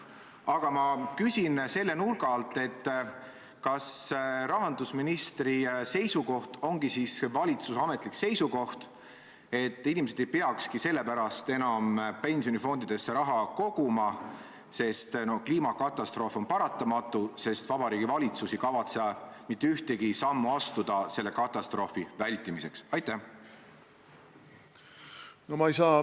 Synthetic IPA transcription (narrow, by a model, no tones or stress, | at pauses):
ɑɡ̥ɑmɑkysʲinse̞lːe̞nurɡɑlt̪ːˑe̞t̪ː | kɑsrɑɦɑnd̪̥usminist̪rise̞jsuko̞ht̪o̞ŋɡisisvɑlʲit̪susɑme̞t̪likse̞jsuko̞ht̪ | e̞t̪ːˑinʲimes̬ed̪ejpeɑkskise̞lːe̞pæɾɑst̪e̞nɑmpe̞nʲsio̞nifo̞nd̪̥id̪̥e̞sːe̞ɾɑɦɑko̞ɡ̥umɑ | se̞st̪no̞kliːmɑkɑt̪ːˑɑst̪ro̞ːfo̞npɑɾɑt̪ːˑɑmɑt̪ːˑuse̞st̪vɑbɑɾiːɡ̥ivɑlʲit̪susikɑvɑt̪sed̪ɑmit̪ːeyht̪eɡisɑmːuɑst̪ud̪̥ɑse̞lːe̞kɑt̪ːˑɑst̪ro̞ːfivælʲt̪ːˑimise̞̰ksɑjt̪ːˑæh | nomɑejsɑː